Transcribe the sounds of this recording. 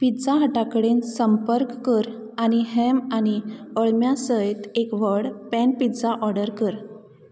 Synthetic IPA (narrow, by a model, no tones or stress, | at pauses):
pid͡zaɦəʈakəɽensəmpəɾkːəɾañiɦɛmañiəɭmjasəjt̪ekʋəɽpɛnpitd͡zaʔɔɾɽəɾkəɾ